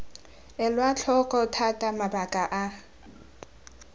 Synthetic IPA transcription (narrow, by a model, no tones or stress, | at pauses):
ɛlwat͡ɬʰɔkʼɔtʰatʼamabakʼaʔa